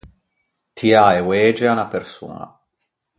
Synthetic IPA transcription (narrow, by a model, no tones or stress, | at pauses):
t̪ʰiaewɛːd͡ʒeanapersṵːna̰